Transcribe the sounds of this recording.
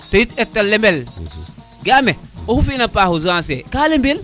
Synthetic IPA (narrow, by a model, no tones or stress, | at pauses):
tɐjitetːɐlːembel | ɡameohufinɐpahuzuansekalembel